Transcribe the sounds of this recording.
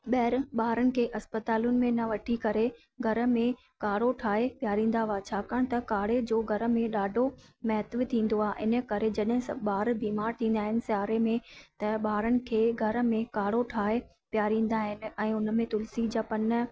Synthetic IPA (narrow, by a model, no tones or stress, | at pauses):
ɓɛɦɾɓaːɾənɪ̆kʰeːʔɐspət̪aːlʊnɪ̆mẽnɐʋɐʈʰikɐɾe | ɡʱɐɾ̆mẽ | kaːɽoʈʰaːepjaːɾĩːn̆d̪aʋaːt͡ɕʰaːkəɽ̃t̪ɐkaːɽed͡ʑoːɡʱɐɾə̆mẽɗaːɖʱomɐɦt̪ʋɪt̪ʰĩːn̆d̪oaːʔɪnə̆kɐɾed͡ʑɐɗɦɪ̃sɐɓaːɾbiːmaːɾt̪ʰĩːnd̪aːɦɪnɪ̆saːɾemẽt̪ɐɓaːɾənɪ̆kʰeːɡʱɐɾ̆mẽkaːɽoʈʰaːe | pjaːɾĩːn̆d̪aːɦɪnɪ̆ɛ̃ːʊnəmẽt̪ʊlsid͡ʑɐpɐn̆